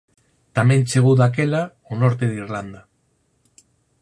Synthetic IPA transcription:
t̪amẽnt͡ʃeɣ̞uðak̬ela | onoɾt̪eðiɾland̪a

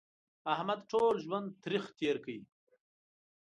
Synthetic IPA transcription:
ahmad̪ʈoːlʒwand̪̚t̪ɾixt̪eːɾkəi

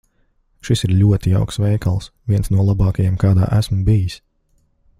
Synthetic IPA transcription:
ʃisiɾʎʲuɔt̪ia̰wksʋɛjkalˠsvʲiɛnsnuɔlˠabɑːkajɛmkɑːd̪a̰ːʔæsmubijis

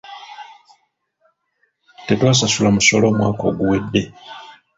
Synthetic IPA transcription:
tetwaːs̬asulamuso̞lo̞ːmwa̰ːko̞ːɡuwe̞dːe̞

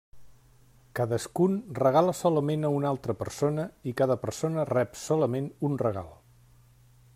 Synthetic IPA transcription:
kaðəskunrəɣaləsɔləmenəunalˠt̪ɾəpəɾsonəikaðəpəɾsonərɛpsɔləmenunrəɣa̰lˠ

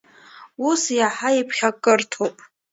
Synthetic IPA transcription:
usjaħaipʰχʲakʼɨrtʰopʼ

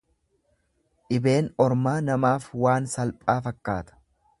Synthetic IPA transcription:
ʔɪbe̞ːnɔɾmaːnɐmaːfwaːnsɐlpʼaːfɐkːaːt̪ɐ̥

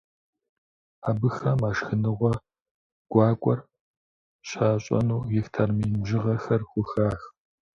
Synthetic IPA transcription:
aːbɨxɐmaːʃxɨnɨʁʷɔ | ɡ̥ʷɑːkʷʼɔr | ɕaːɕʼɐ̰nuːjɪxtʰɐrmiːʒɪʁɐxɐrxʷʊxaːx

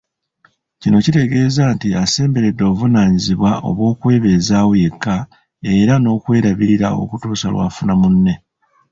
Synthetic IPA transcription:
cino̞cite̞ɡe̞ːzaːntiase̞ːmbe̞ɾe̞dːo̞ːvunaːɲiziβwaʔo̞̰βwo̞ːkwe̞ːβe̞ːzawje̞kːa | e̞ɾano̞ːkwe̞ːɾaβiiɾao̞̰kutuːsalwa̰ːfunamunːe̞

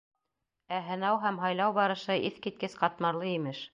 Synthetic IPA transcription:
æɦɤ̆nɑwɦæmɦɑjlˠɑwbɑɾɤ̆ʃɤʔiθkit̪̚kɘsqɑt̪mɑɾlˠɤimɘʃ

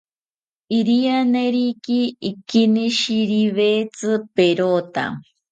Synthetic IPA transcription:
iɾianeɾikiːkiniʃiɾiβet͡sɨpeɾot̪a̰

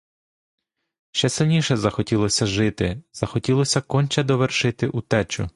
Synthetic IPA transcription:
ʃt͡ʃɛsɪlʲnʲiʃɛzɐxɔtʲilˠɔsʲɐʒɪt̪ɪz̥ɐxɔtʲilˠɔsʲɐkɔnʲt͡ʃɛd̪ɔʋerʃɪt̪ɪʔut̪ɛt͡ʃʊ̰

